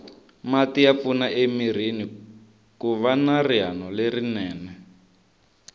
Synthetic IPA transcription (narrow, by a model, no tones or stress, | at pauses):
matiap̪funaʔemiɾ̤ini | kuβanarianɔlerinɛːnɛ